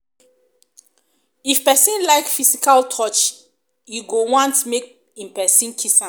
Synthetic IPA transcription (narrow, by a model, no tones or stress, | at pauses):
ifpɛsĩnlaɪkfisikaltʰɔt͡ʃ | juɡowɔ̃ntmek̚ | ĩmpɛsĩnkʰisã